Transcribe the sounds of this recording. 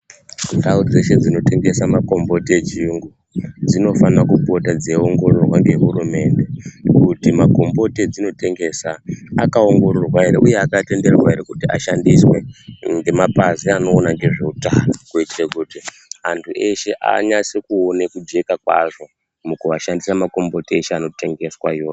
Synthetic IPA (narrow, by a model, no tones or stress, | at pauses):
daud͡zeʃe̞d͡zino̞te̞ŋɡe̞samako̞mbo̞teet͡ʃiuŋɡu | d͡zino̞fanakupo̞tad͡zeo̞ŋɡo̞rorwaŋɡe̞ɦurume̞nde̞kutimako̞mbo̞ted͡zino̞te̞ŋɡe̞ːsaakao̞ŋɡo̞rorwaɦeɾḛʔuje̞akate̞nde̞rwaeɾekutia̰ʃandiswe̞ŋɡe̞mapaziano̞ːnaŋɡe̞ʐeutaːnokuitirekuti | antʰuʔe̞ʃe̞ʔa̰ɲasikuonekud͡ʒe̞kakwa̰ʐo̞ | mukuaʃandisamako̞mbo̞teeʃeano̞te̞ŋɡe̞swajo̞ː